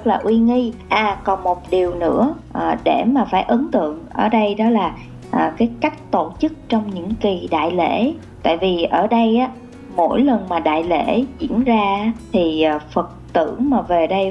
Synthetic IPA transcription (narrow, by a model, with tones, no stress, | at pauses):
ə˦˥t̚laː˨˩ʔwi˧ŋi˧ʔaː˨˩kɔ˨˩nmo˨˩t̚ɗi˨˩əwnɨ̰˧˥əʔːɗe˧˩maː˨˩faː˧˩jʔə˨˦ŋt̪ɨ̰˧˨əŋʔəː˧˩ɗə˧jɗɔ˨˦laː˨˩ | ʔəː˨˩kaː˨˦jka˦˥jk̟̚t̪o˧˨t͡ɕɨ˦˥k̚t͡ɕɔ˧wŋ͡mɲɨ̰˧˥ŋki˨˩ɗa̰ː˧˨jlḛ˧˩˥ | t̪a̰ː˧˨jvi˨˩ʔəː˧˩ɗə˧jʔaː˨˦ | mo̰˧˥jlə˨˩nmaː˨˩ɗa̰ː˧˨jlḛ˧˥zḭ˧˥ənzaː˧˨˦t̪ʰi˨˩˨fə˨˩t̚t̪ɨ̰˧˩əŋmaː˨˩ve˨˩ɗə˧j